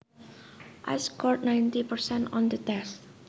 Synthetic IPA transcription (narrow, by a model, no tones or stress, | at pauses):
ʔa̰skɔɹt̚nãjntipəɹsɛ̃ntɔ̰̃nd̪ət̪ɛst̚